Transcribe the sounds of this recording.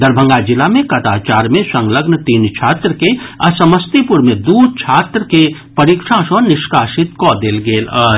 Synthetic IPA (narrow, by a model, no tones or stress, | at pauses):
d̪əɾbʱə̃ŋɡad͡ʒɪlamẽkɐt̪aːt͡ʃaːɾmẽsə̃ŋɡləɡnət̪iːnt͡ʃʰaːt̪ɾəkeɐsəməst̪ipʊɾmẽd̪uːd̪̚t͡ʃʰaːt̪ɾəke | pɐɾikʂãːʃɔːɾnɪʃkaːʃɪt̪kod̪eːlɡeːlə